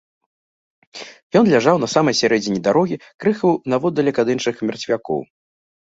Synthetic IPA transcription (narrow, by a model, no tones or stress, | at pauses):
jɔnlʲaʐawnɐsamɐjsʲaɾɛd͡zʲinʲid̪aɾɔɣʲikɾɨxɐwnɐvɔd̪ːɐlʲɛkad̪ɨnt͡ʂɨxmʲɛrt͡sʲvʲakɔ̰w